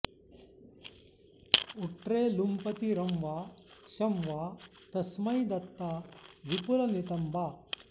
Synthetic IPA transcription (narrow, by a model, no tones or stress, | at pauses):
uʈɾeːlumpɐt̪iɾɐmʋaːʃɐmʋaː | t̪ɐsmɐjd̪ɐt̪ːaːʋipulɐnit̪ɐmbaː